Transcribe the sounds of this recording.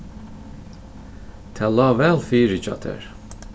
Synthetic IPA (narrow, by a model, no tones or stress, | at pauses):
t̪ʰɛlɑvɛlˠfiːɾit͡ʃɑ̰t̪ʰɛ̰ɾ